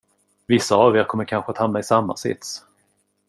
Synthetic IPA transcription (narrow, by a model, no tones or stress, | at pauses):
vɪsːaːveːɾkʰɔmːəɾkʰanɧəat̪hamnaɪsamːa̰sɪ̰t̪s